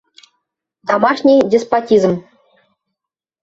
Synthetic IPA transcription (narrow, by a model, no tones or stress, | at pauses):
t̪ɑmɑʂnʲijdʲespotʲizə̆m